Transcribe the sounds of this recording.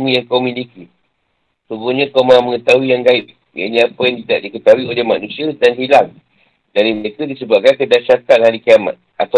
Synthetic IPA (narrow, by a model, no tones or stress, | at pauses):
mujaŋkawmiliki | suɡuɲəkawmaməŋət̪auijaŋɡaiʔ̚ | ja̰ʔɲiapəjaŋt̪idaʔ̚dikət̪auwiolehmanusiədanɦilaŋ | daɾiməɾekədisəbakankədaʃakanhaɾikiama̰t̪̚at̪a